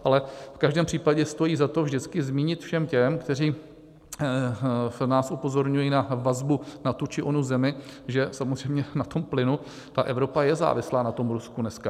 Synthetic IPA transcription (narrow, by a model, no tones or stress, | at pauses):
ʔalɛfkaʒdɛːmpr̥iːpaɟɛst̪o̞jiːzat̪o̞vʒdɪt͡skɪzmiːɲɪt̪fʃɛmcɛmkt̪ɛr̝iː | naːsʔupo̞zo̞ɾɲujiːnavazbunat̪ut͡ʃɪʔonuzɛmɪʒɛsamozr̝ɛjmɲɛnat̪o̞mplɪnu | t̪aʔɛvɾo̞pajɛza̰ːvɪslaːnat̪o̞mɾuskunɛska